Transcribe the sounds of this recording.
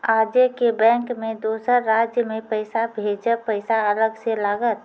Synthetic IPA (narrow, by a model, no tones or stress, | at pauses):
aːd͡ʒjəkebɛ̃ːŋkmẽd̪oːsəɾːaːd͡ʒjəmẽpəɪsabʱeːd͡ʒəpəɪsaələɡselaːɡət̪